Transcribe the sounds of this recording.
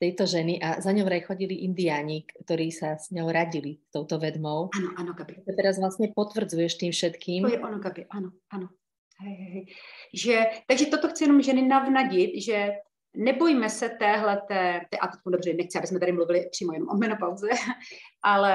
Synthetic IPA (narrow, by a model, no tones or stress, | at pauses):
t̪ɛjt̪ɔʒɛniʔazaɲɔmɾajxɔɟiliʔind̪ɪjaːɲikt̪ɔɾiːsasɲɔwɾaɟilist̪ɔwt̪ɔvɛd̪mɔwanoʔanoɡabɪt̪ɔt̪ɛɾazvlast̪ɲɛpɔt̪vr̩d͡zujɛʃt̪iːmfʃɛt̪kiːmɛʔonoɡabɪʔanoʔano | hɛjɦɛɦɛjʒɛt̪aɡʒɛt̪ot̪oxt͡sɪjɛnomʒɛnɪnavnaɟɪt̪ʒɛ | nɛbojimɛsɛt̪ɛːɦlɛt̪ɛːt̪ɛːʔat̪ot̪kumdobrɛnɛxt͡sɪʔabɪsmɛt̪aɾɪmluvɪlɪpr̥iːmojɛnomʔomɛnopawzɛʔalɛ